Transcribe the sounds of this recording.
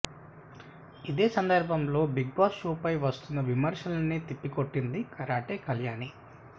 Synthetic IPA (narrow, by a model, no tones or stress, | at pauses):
id̪e̞ːsɐnd̪ɐɾbʱɐmlo̞ːbiɡ̚baːʃuːpɐjʋɐst̪unːɐʋimɐɾʂɐlɐnit̪ipːikoʈːind̪ikɐɾaːʈeːkɐljaːni